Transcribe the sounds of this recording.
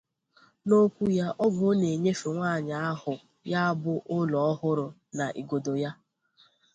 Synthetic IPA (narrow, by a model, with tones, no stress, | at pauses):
no˦kʷu˦ja˦ʔɔ˦ɡo˨˦ne˨ɲe˦fe˨ŋʷaː˦˨ɲa˨a˦ɦʊ˨ | ja˦a˦bʊ˦ʔʊ˦lɔ˨ɔ˦ɦʊ˦ɾʊ˨na˨ʔḭ˨ɡo˨do˨ja˦